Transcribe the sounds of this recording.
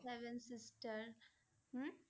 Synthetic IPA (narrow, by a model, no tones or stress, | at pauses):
ɛʋɛ̃nsɪsʈəɾ | h̩